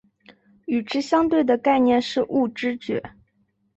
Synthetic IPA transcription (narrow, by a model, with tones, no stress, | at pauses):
y˨˩ʈ͡ʂɻ̩˥ɕjɑ˥ŋt̪we˥˩ɪd̪ə˩ka˥˧ɪnjɛ˥˧nʂɻ̩˥˧ʔu˥˩ʈ͡ʂɻ̩˥t͡ɕɥɛ̰˧˥